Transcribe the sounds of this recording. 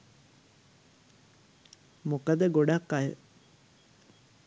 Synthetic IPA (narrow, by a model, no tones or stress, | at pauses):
mukəd̪əɡoɖakːajə̰